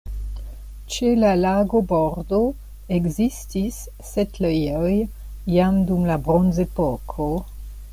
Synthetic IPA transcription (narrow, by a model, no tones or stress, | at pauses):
t͡ʃelalaɡoboɾdo | eɡzistisː | etlejoj | jamdumlabɾonzepokʰo